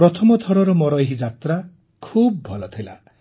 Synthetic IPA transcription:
ɾɔt̪ʰɔmɔt̪ʰɔɾɔɾɔmɔɾɔjɦid͡ʒat̪ɾa | kʰub̚bʱɔlɔt̪ʰila̰

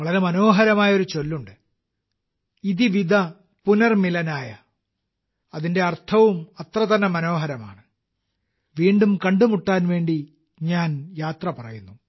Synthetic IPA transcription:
ʋɐɭɐɾe̞mɐno̞ːɦɐɾɐmaːjɐo̞ɾut͡ɕo̞lːuɳɖɨ | iðiʋid̪ʱɐ | punɐrmilɐnaːjɐ | ɐðinde̞ɐrt̪ʰɐʋumɐt̪rɐt̪ɐnːɐmɐno̞ːɦɐɾɐma̰ːɳɨ | ʋiːɳɖumkɐɳɖumuʈːaːnʋe̞ːɳɖi | ɲaːnjaːt̪rɐpɐrɐjunːu

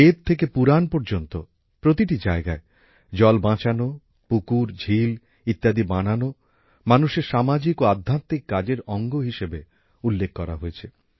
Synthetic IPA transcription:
et̪̚t̪ʰːek̬epuɾanpɔɾd͡ʑont̪o̰ | pɾot̪iʈid͡ʑaeɡae | d͡ʑɔlbãt͡ɕano | pukuɾd͡ʑʱil | it̪ːad̪ibanano | manuʃeɾʃamad͡ʑikoad̪ʱːat̪ːikːad͡ʑeɾɔŋɡoɦiʃebe | ulːekkːɔɾa̰ɦoet͡ɕʰe

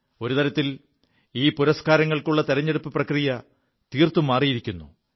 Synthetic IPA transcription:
o̞ɾut̪ɐɾɐt̪ːil | iːpuɾɐskaːɾɐŋːɐɭkuɭːɐt̪eɾɐɲːeɽupːɨprɐkrijɐ | t̪iːrt̪umːaːrijiɾikʲːunːu

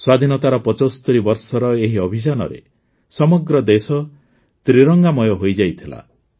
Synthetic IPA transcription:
swad̪ʱinɔt̪aɾɔpɔt͡ʃɔst̪uɾibɔɾsɔɾɔeɦiɔbʱid͡ʒanɔ̰ɾḛ | sɔmɔɡɾɔd̪esɔ | t̪ɾiɾɔŋɡamɔjɔɦojd͡ʒajt̪ʰila̰

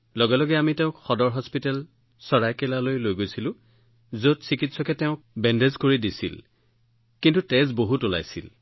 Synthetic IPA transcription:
lɔɡɛlɔɡɛamitɛʊ̃kxɔdɔɹɦɔspitɛl | sɔɹajkɛlalojlojɡojsilʊ̃ | zotsikitsɔkɛtɛʊ̃k̚bɛndezkoɹidisḭl | kintutɛzboɦutula̰jsḭl

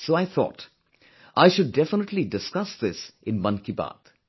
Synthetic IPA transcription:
soaɪθʰɔ̰ːt | ʔaɪʃʊɖːɛfənəʈlidɪskʌsd̪ɪsʔɪ̃nmʌ̃nkiba̰ːt̪

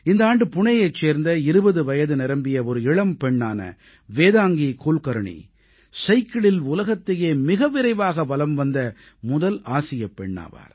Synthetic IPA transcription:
ɪnd̪ɐaːɳɖɯpʊɳɐjɐɪt͡ʃːeːɾnd̪ɐɪɾɯbɐðɯʋɐjɐðɯnɪɾɐmbɪjɐɔɾɯɪɭɐmpɛɳːaːnɐ̰ | ʋeːðaːŋɡikuːlkɐɾɐɳḭ | sɐɪkːɐɭɪlʊlɐɣɐt̪ːɐjeːmɪɣɐʋɪɾɐɪʋaːɣɐʋɐlɐmʋɐnd̪ɐ | mʊðɐlaːsɪjɐpːɛɳːa̰ːʋa̰ːɾ

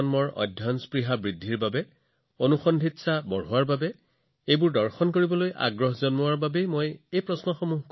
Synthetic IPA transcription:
nmɔɹɔ̰dʱjɔnspɹiɦabɹidʱːiɹbabɛ | onuxɔndʱitsabɔɹɦʊwaɹbabɛ | ejbʊɹdɔɹxɔnkoɹibɔlojʔa̰ɡɹɔɦzɔnmʊwaɹbabejmojejpɹɔsnɔxɔmuɦk

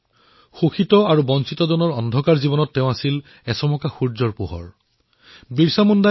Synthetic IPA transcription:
xoxitɔaɹubɔnsitɔdɔnɔɹɔndʱɔkaɹzibɔnɔtːɛʊ̃asil | ɛsɔmɔkaxuɹzɔɹpṵɦɔ̰ɹ | biɹsamɔnda

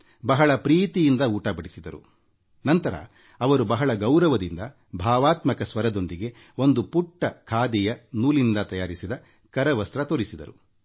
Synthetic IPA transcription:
bɐɦɐɭɐpɾiːt̪ijind̪ɐuːʈɐbɐɽisid̪ɐɾṵ | nɐnt̪ɐɾɐ̰ | ɐʋɐɾubɐɦɐɭɐɡɐwɾɐʋɐd̪ind̪ɐ | bʱaːʋaːt̪mɐkɐsʋɐɾɐd̪o̞nd̪iɡe̞ | o̞nd̪upuʈːɐkʰaːd̪ijɐnuːlind̪ɐt̪ɐjaːɾisid̪ɐ | kɐɾɐʋɐst̪ɾɐt̪oɾisid̪ɐ̰ɾṵ

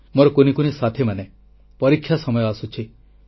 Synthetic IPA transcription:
moɾɔkonikonisat̪ʰemane | pɔɾikʰjasɔmɔjɔasut͡ʃʰi

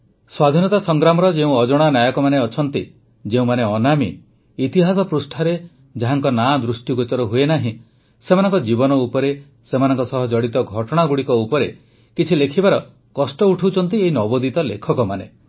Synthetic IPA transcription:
swad̪ʱinɔt̪asɔŋɡɾamɔɾɔd͡ʒeũɔd͡ʒɔɽ̃anjajɔkɔmaneɔt͡ʃʰɔnt̪i | d͡ʒeũmaneɔnamḭː | t̪iɦas̬ɔpɾusʈʰaɾe | d͡ʒaɦaŋkɔnad̪ɾusʈikut͡ʃɔɾɔɦuenaɦĩ | semanɔŋkɔd͡ʒibɔnɔupɔɾe | semanɔŋkɔsɔɦɔd͡ʒɔɽit̪ɔɡʱɔʈɔɽ̃aɡuɽikɔupɔɾe | kit͡ʃʰilekʰibaɾɔ | kɔsʈɔuʈʰuwt͡ʃʰɔnt̪ieɦinɔbɔd̪it̪ɔlekʰɔkɔmane

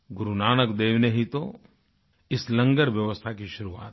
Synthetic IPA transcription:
ɡʊɾunaːnəkd̪eːʋnəɦit̪o | ɪslɐ̃ŋɡəɾʋjɐʋəst̪ʰakiʃʊɾua̰ːt̪

